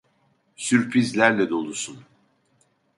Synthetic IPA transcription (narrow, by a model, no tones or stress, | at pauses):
syɾpʰɾizlʲæɾlʲɛd̪o̞lˠusun